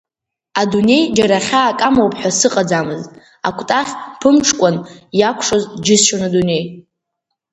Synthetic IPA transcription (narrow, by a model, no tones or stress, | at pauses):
adune̞jd͡ʒaɾaχʲaːkʼamowpʼħʷᶣasɨqʼad͡zamɨztʼ | a̰kʷʰʼtʼaχʲpʰɨmʈ͡ʂʰkʷʼanjakʷʰʂozd͡ʒɪsʃanadune̞j